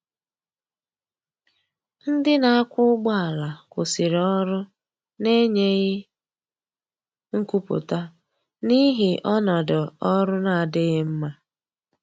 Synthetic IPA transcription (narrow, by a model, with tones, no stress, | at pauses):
n̩˦dɪ˦na˨a˦kʷʊ˦ɡ͡bɔ˦a˨la˨kʊ˨si˨ɾɔ˦ɾʊ˦ | ne˦ɲe˦ɣɪ˦ | ŋ̩˦ku˦pʊ̰˨ta˦ | ni˦ɦɪ˨ʔɔ˦nɔ˨dɔ˨ɔ˦ɾʊ˦na˨a˨dɪ˦ɣɪ˦m̩˦ma˦